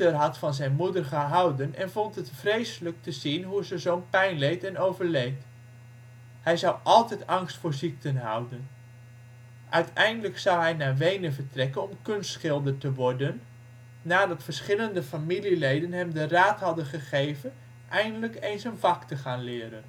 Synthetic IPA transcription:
ərɦɑtfɑnzɛjnmudəɹχəɦɑwdənɛ̰nvɔntɦətfrejsələk̚təzinɦuzəzownpɛjnlejtɛnowvəɹlejt | hɛjzɑwʔɑlˠtɛjtɑŋstfʊːɹzik̚tənɦɑ̰wdən | ʔœɥtɛjndələksʌwɦɛjnaːɹʋejnəvəɹtrɛkənɔmkɵnstsχɪlˠdəɹtəʋɔɹdənː | aːdɑtfəɹsχɪləndəfamililejdənɦɛmdəraːtɦɑdənχəχejvən | ʔɛjndələkejnsənvɑktəχaːnlɪːɾən

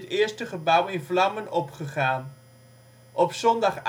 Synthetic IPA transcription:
tɪːəɹstəχəbʌwɪnvlɑmənɔpχəχaːn | ʔɔpsɔndɑχ

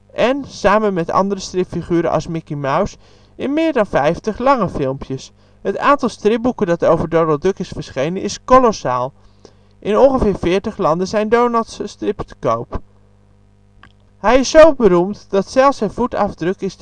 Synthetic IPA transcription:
ʔɛnsaːmənmɛtɑ̰ndərəstrɪpfiχyːɾə̰nʔɑ̰lˠsmɪkimaws | ɪnmɪːɹdɑnfɛjftəχlɑŋəfɪlˠmpʰjəs | ɦəta̰ːntɑlˠstrɪp̚bukəndɑtowvəɹdownɑlˠdrɵkɪsfəɹsχejnənʔɪskolosaːlˠ | ʔɪnɔnχəvɪːɹvɪːɹtəχlɑndənzɛjndownɑlˠtsəstrɪptkowp | ɦɛjɪsːowbəɾumtdɑtsɛlˠfsɛnvutɑ̰vdrɵkɪs

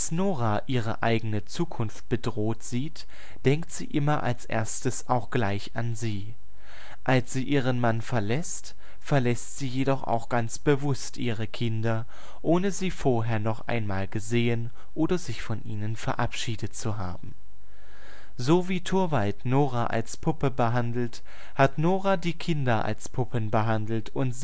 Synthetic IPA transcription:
asnoːʁaʔiːʁ̞ə̰ʔa̰ɪɡənət͡suːkʰʊnft̚b̥ədʁoːtz̥iːt | d̥ɛŋk̚tz̥iːʔɪmɐʔa̰lsʔḛːɐstəsaʊxɡ̥laɪçanziː | ʔalsz̥iːʔiːʁ̞ənmanfɛɐlɛst | fɛɐlɛstz̥iːjedɔχa̰ʊxɡ̥ant͡sb̥əvʊstʔiːʁəkʰɪndɐ | ʔoːnəziːfoːɐɦeːɐnɔχʔa̰ɪnmaːlɡəzeːən | ʔoːdɐzɪçfɔnʔiːnənfɛɐʔapʃiːdətt͡suɦa̰ːbm̩ | zoːviːtʰʊɐvaltnoːʁaʔa̰lspʰʊpəbəɦandl̩t | hatnoːʁadiːkʰɪndɐʔa̰lspʰʊpʰənbəɦandl̩tʊntz

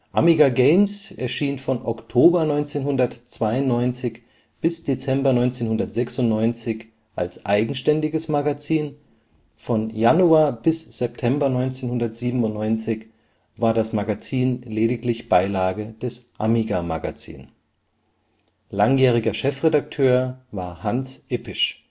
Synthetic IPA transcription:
ʔamiɡaɡeɪmsʔɛɐʃiːnfɔnʔɔktʰoːbɐnɔʏnt͡seːnhʊndɐtt͡sv̥aɪʊnnɔʏnt͡sɪç | b̥ɪsd̥et͡sɛmbɐnɔʏnt͡seːnhʊndɐtz̥ɛksʊntnɔʏnt͡sɪç | ʔa̰lsʔaɪɡŋ̩ʃtɛndɪɡəsmaɡat͡siːn | fɔnjanuaːɐbɪsz̥ɛp̚tʰɛmbɐnɔʏnt͡seːnhʊndɐtz̥iːbm̩ʊntnɔʏnt͡sɪç | vaːɐdasmaɡat͡siːnleːɾɪklɪçb̥aɪlaːɡəd̥ɛsʔamiɡama̰ɡa̰t͡sḭːn | laŋjɛːʁ̞ɪɡɐʃɛfʁedak̚tʰøːɐvaːɐhansʔɪpʰɪʃ

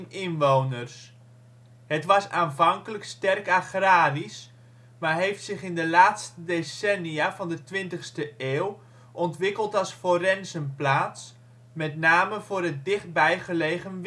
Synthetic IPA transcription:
nɪnʋownərs | ɦətʋɑsaːnvɑŋkələkstɛrkaχraːris | marɦejftsɪχɪndəlaːtstədesɛniavɑndətʋɪntəχstəeːw | ʔɔntʋɪkəlˠtɑlˠsforɛnzənplaːts | mɛtnaːməvʊːrɦət̚dɪχt̚bɛjχəlejχənʋ

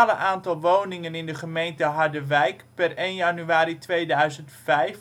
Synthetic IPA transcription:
ləʔaːntɑlˠʋownɪŋənɪndəχəmejntəɦɑɹdəʋɛjkpɛrejnjanyaːɾitʋejdœɥzəntfɛjf

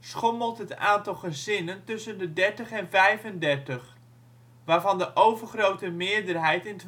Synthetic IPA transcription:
sχɔməlˠtɦətaːntɑlˠχəzɪnəntɵsəndədɛɹtəχɛnvɛjvəndɛɹtəχ | ʋaːɹvɑndəʔowvərχrowtəmɪːəɹdərɦɛjtɪnt

